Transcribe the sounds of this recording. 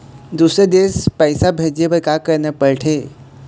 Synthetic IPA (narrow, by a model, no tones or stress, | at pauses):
d̪uːsɾed̪eːspɛɪsabʱeːd͡ʒebəkakəɾnəpəɾʈʰeː